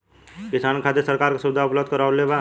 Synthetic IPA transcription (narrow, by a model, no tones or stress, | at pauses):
kɪsaːnkʰat̪esəɾkaːɾkasʊbɪd̪ʱaʊpləbd̪̚kəɾaleʋa